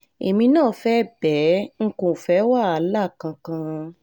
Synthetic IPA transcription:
e˨mĩ˧nãː˦˨fɛ˦bɛ˨˦ŋ̩˦ko˨fɛ˨˦wa˦˨a˨˦la˦˨kã˧kã˧

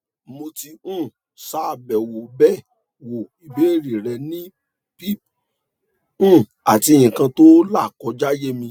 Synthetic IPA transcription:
mo˧ti˧ũ˦˨ | sa˦˧˨bɛ˨wo˨bɛ˦ | wo˨i˨be˨˦e˦˨ɾi˨ɾɛ˧˨nĩ˦ | pi˦p̚ | ũ˦˨ | a˨ti˨˧e˧j̃ĩ˨kã˧to˦la˦˨kɔ˨˦d͡ʒa˦je˦mĩ˧

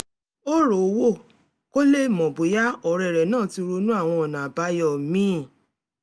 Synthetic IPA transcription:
o˦ɾo˨˦wo˦˨ | ko˦le˦˨mɔ̃˨bo˨ja˦ɔ˨ɾɛ˨ɾɛ˨nãː˦˨ti˧ɾo˧nũ˦a˦˨w̃ɔ̃˧ɔ˨nã˨a˨ba˨˦jɔ˦˨mĩ˦˨

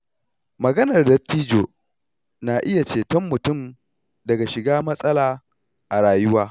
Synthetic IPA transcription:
mɐ˨ɡɐ˦nɐ˨rdɐ˦tːiː˦d͡ʒoː˨ | naː˨ʔɪ˦ja˨t͡ʃeː˨tɔ˦mːʊ˨tʊ˦˨m | dɐ˨ɡa˨ʃɪ˨ɡaː˦mɐ˦sʼɐ˦laː˨ | ʔa˨ɽaː˨jʊ˦waː˦

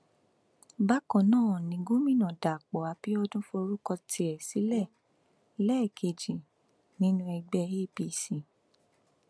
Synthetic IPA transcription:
ba˦kɔ̃˨˧˨nãː˦˨nĩ˨˧ɡũ˦mĩ˦˨nã˨da˨k͡pɔ˨a˨˧˦pi˦ɔ˧dũ˦fo˧ɾu˦kɔ˧ti˧ɛ˨si˨˦lɛ˦˨ | lɛ˦˨kʰe˧˨d͡ʒi˨ | nĩ˦nũ˦ɛ˧ɡ͡bɛ˧i˦˨pi˧si˨

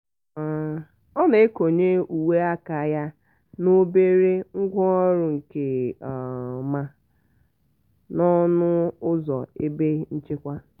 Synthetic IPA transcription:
a˨ | ɔ˦ne˨e˦ko˨ɲe˦u˨we˦a˦ka˨ja˦ | no˦be˦ɾe˦ŋ̩˦ɡʷɔ˦ɔ˦ɾʊ˨ŋ̩˨ke˨ | ma˦ | nɔ˦nʊ˦ʊ˦zɔ̰˨e˦be˦n̩˦t͡ʃɪ˦kʷa˦

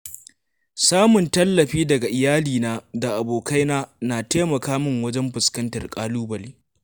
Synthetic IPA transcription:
saː˦mʊ˨ntɐ˦lːɐ˨ɸiː˦dɐ˨ɡa˨ʔɪ˨jaː˦liː˨naː˦da˨ʔa˨boː˨ka˦jnaː˦naː˨teː˦mɐ˨kaː˦mɪ˦ŋwɐ˦d͡ʒɛ˦mɸɪ˨skɐ˦ntɐ̰˨rkʼaː˦luː˦bɐ˨liː˦

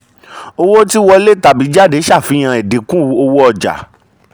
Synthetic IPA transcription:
o˧wo˦ti˦wɔ˧le˦ta˧˨bi˨˦d͡ʒa˦˨de˨˦ʃa˦˨fi˨˧˦j̃ã˧e˨de˨˦kũ˦˧˦o˧wo˦ɔ˧d͡ʒa̰˨

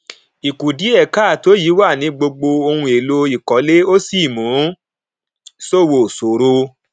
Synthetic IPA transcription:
i˨ku˨di˨˦ɛ˦˨ka˦˨to˨˦ji˨˦wa˦˨nĩ˨˧˦ɡ͡bo˧ɡ͡bo˧o˧hũ˧e˨lo˧˦i˨kɔ˨˦le˦o˦si˦˨mũ˨˦ | so˦˨wo˨so˨ɾo˧

